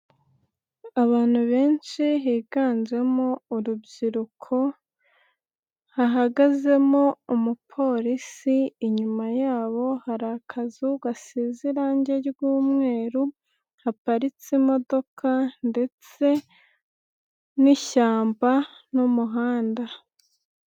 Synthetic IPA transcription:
aβaːn̥huβe̞ːnt͡ʃiɦiːɡaːnd͡ʒe̞mouɾubɟiɾukʰo̞ | haɦaɡaze̞moumupʰo̞ɾisiːɲumajaːβo̞haɾakʰazuɡasiziɾaːɲɟe̞ɾɡuːmŋe̞ːɾu | hapaɾit͡simo̞do̞kʰande̞t͡se̞ | niçaːmbanumuɦaːnda

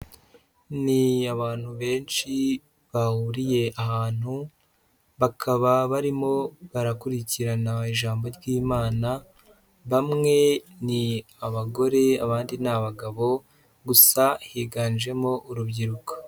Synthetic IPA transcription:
niaβaːn̥huβe̞ːnʃi | βahuɾije̞ʔahaːn̥hu | βakʰaβaβaɾimo̞βaɾakuɾiciɾanaiʒaːmbo̞ɾɡiːmaːna | βamŋe̞ni | aβaɡo̞ɾe̞aβaːndinaβaɡaβo̞ | ɡusahiːɡaːnʒe̞mo̞ʔuɾubɟiɾuko̥

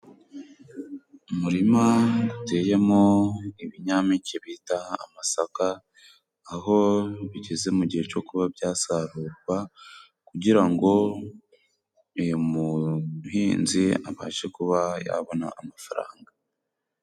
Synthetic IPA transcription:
umuɾimaɡute̞je̞moiβiɲamiceβitaa̰masakaː | ɦo̞βiɟe̞ze̞muɟihe̞t͡ʃo̞kuβabɟaːsaɾuːɾɡwa | kuɟiɾaŋɡo̞ | ijomuhiːnzia̰βa̰ːʃe̞kuβaja̰βo̞na̰ʔːmafaɾa̰ːŋɡa

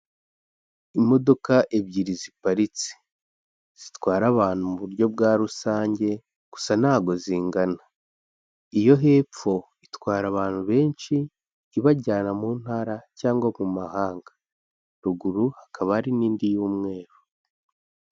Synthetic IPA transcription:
imo̞do̞kaʔebɟiɾizipaɾit͡si̥ | z̥itwaːɾaβaːn̥humuβuɾɟo̞bɡaːɾusaːɲɟe̞ | ɡ̥u̥san̥aːɡo̞ziːŋɡana | ijo̞ɦe̞p͡fo̞ | itwaːɾaβaːnhuβe̞ːnʃiː | βaɟaːnamuːn̥haːɾacaːŋɡwamumahaːŋɡḁ | ɾuɡuɾuhakʰaβaaɾiniːndijuːmŋe̞ːɾu

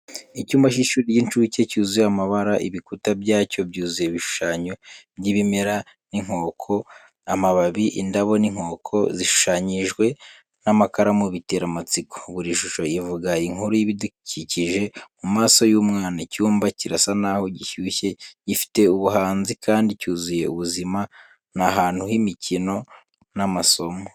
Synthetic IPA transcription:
icuːmbaʃiʃuːɾijint͡ʃuce̞cuːzujamaβaɾaʔiβikutabɟaːco̞bɟuːzujeβiʃu̥ʃaːɲo̞bɟiβime̞ɾa | niŋ̥ho̞ːkʰo̞ | amaβaβiʔḭndaβo̞niŋ̥ho̞ːkʰo̞̰ziʃu̥ʃaːɲiʒɡwe̞ | namakaɾamuβite̞ːɾamat͡siko̥βuɾiʃuʃo̞ivuɡaiŋuɾojiβiduciciʒe̞mumaːso̞juːmŋaːnacuːmbaciɾasanaːho̞ɟiçuːçe̞ɟifi̥te̞uβuɦaːnzikʰaːndicuːzuje̞uβuzima | naɦaːn̥huhimicino̞ | namaso̞mo

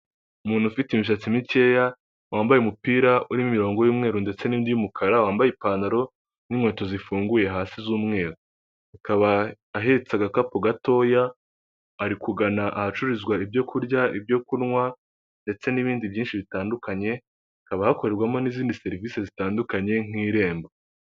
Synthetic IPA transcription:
umuːn̥hufitimiʃ̬at͡simice̞ːja | wʔaːmbajemupiːɾauɾimimiɾo̞ːŋɡo̞juːmŋe̞ːɾonde̞t͡se̞nindijumukʰaɾawaːmbajepaːndaɾo̞ | nimŋe̞ːto̞zifuːŋɡuje̞ɦaːsizuːmŋe̞ːɾo | akaβaː | ɦeɾet͡saɡakapoɡato̞ːjaː | ɾikuɡanaʔahat͡ʃuɾizɡwaibɟo̞kʰuɾɟaʔibjo̞kunŋwa | nde̞t͡se̞niβiːndibjiːnʃiβitaːndukaɲe̞ | akaβahako̞ɾe̞ɾɡwamo̞niːziːndise̞ɾiviːse̞zitaːndukaɲe̞ŋ̥iːɾe̞ːmbo

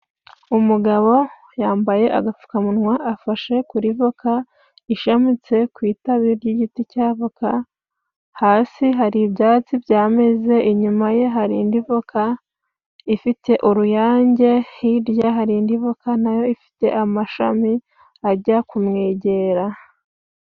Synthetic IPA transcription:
umuɡaβo̞ | jaːmbaje̞ʔa̰ɡafu̥kamunŋwaʔafaʃe̞kuɾivoka | iʃamit͡se̞kwiːtaβiɾɟiɟiticaːvoka | haːsiɦaɾibjaːt͡sibɟaːme̞ze̞ʔiɲumaje̞ɦaɾiːndivoka | ifite̞ʔuɾujaːɲɟe̞hiɾjaɦaɾindivokanajo̞ifi̥te̞̰ʔamaʃa̰mi | aɟakumŋeːɟe̞ɾa

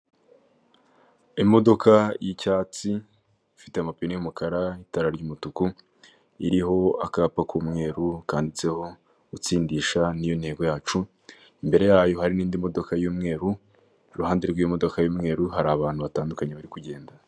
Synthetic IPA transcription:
imo̞do̞kajicaːt͡si | fiteamapinijumukʰaɾaitaɾaɾɟuːmutuku | iɾiɦo̞a̰kaːpakʰuːmŋe̞ːɾukaːndit͡se̞ho̞ | ut͡siːndiːʃanijo̞nhe̞ːɡo̞jaːt͡ʃu | imbe̞ɾe̞jaːjo̞ɦaɾiniːndimo̞do̞kajuːmŋe̞ːɾu | iɾuhaːndeɾɡwimo̞do̞kajuːmŋe̞ːɾuɦaɾaːβaːn̥huβataːndukaɲeβaɾikuɟe̞ːnda

